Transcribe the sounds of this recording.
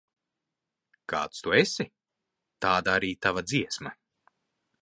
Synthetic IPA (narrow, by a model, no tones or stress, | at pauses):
ka̰ːt̪st̪uesi | t̪aːd̪aaɾiːt̪avad̪ziɛsmɐ